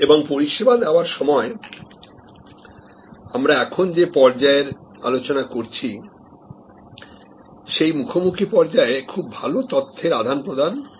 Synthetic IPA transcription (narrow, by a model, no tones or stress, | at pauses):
eboŋpoɾiʃebad̪ɛoaɾʃɔmɔe | amɾaɛkʰond͡ʑepɔɾd͡ʑaeɾa̰lot͡ɕonakoɾt͡ɕʰi | ʃejmukʰomukʰipɔɾd͡ʑaekʰubbʱalot̪ot̪ʰːeɾad̪ʱanpɾod̪ʱan